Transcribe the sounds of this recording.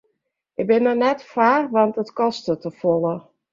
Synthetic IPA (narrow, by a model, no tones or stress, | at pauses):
ʔɪk̚bɪnɔnɛtfaːrʋɑntətkɔstətəfɔlˠə